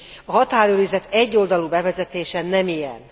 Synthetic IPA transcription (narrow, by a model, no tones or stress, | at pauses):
ɒɦɒt̪aːɾøːɾizɛt̪ɛɟːo̞ld̪ɒlubɛvɛzɛt̪eːʃɛnɛmijɛ̰n